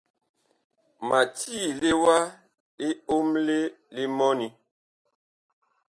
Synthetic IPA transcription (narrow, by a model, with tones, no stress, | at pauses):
ma˨tiː˦˨le˦wa˦ | e˦o˦mle˦le˦mɔ˦ni˨